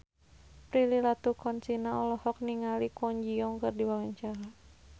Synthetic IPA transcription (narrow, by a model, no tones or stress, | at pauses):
pɾililat̪ukɔnt͡ʃinaɔlɔhɔk̚niŋalikɔɲd͡ʒiɔŋkɨrdiwawaɲt͡ʃaɾa